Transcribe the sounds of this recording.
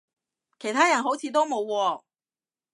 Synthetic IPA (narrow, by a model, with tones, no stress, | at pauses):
kʰe˨˩jt̪ʰaː˥jɐ˨˩nɦo˨˥wt͡sʰiː˨˧t̪o˥wmo˨˧wkɔː˧